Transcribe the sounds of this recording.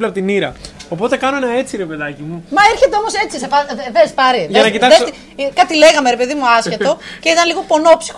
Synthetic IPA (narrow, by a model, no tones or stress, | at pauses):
lɐpot̪iniɾɐ̰o̞po̞t̪e̞kɐnoenɐe̞t͡siɾe̞pe̞ðɐcimumɐeɾçet̪eo̞mo̞se̞t͡sisepɐvespɐɾiʝɐnɐcit̪ɐkðesi | kɐt̪ile̞ɣɐme̞ɾepe̞ðimuɐscet̪o̞ce̞it̪ɐnliɣo̞po̞nopsi̥x